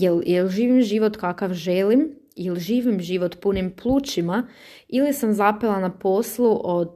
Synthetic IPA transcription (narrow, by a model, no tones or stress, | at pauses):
jeljelʒiːʋimʒiːʋot̪kakaʋʒelim | ilʒiːʋimʒiːʋot̪punimplˠuːt͡ʃima | ilisamzapelanapo̞slˠuʔod̪